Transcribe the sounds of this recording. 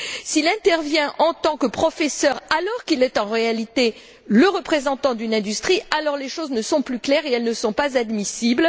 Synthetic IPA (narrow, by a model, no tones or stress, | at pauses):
silɛ̃t̪ɛʁvjɛ̃ʔɑ̃t̪ɑ̃kəpχɔfɛsœʁalɔʁkilɛt̪ɑ̃ʁealit̪e | ləʁəpχezɑ̃t̪ɑ̃d̪ynɛ̃d̪yst̪χialɔʁleʃoznəsɔ̃plyklɛʁeɛlnəsɔ̃pazad̪misibl